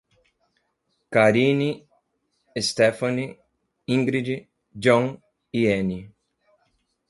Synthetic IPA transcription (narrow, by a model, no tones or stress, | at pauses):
kaɾini | est̪efani | ĩŋɡɾid͡ʒi | d͡ʒõŋ | ieni